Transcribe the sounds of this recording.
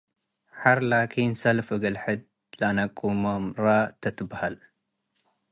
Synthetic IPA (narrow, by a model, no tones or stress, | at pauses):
ħaɾlakʰinsɐlfɨɡɐlħɨd̪̚ | lɐanɐkʼːumomɾat̪ʰɐt̪ʰɨbːahal